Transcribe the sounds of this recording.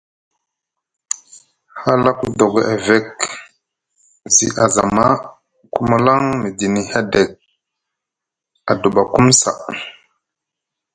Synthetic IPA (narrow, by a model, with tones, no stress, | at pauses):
ha˦la˦ku˦do˨ɡe˨a˨ve˦k | zi˦ʔa˨za˨ma˦ | ku˦ma˦la˦ŋmi˨di˨ni˨ha˦de˨k̚ | a˨du˨ɓa˨ku˦msa̰˨